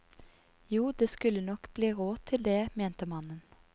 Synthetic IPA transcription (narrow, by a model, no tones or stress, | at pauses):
juːd̪eːskʉlənɔkb̥liːʁoːt̪ʰɪld̪eːmeːnt̪əmɑnən